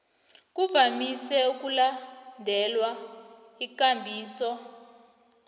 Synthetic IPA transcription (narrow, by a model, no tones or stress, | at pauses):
k̬uvamisɛuk̬ʼulandʱɛlwa | ik̬ʼambʱiːsɔ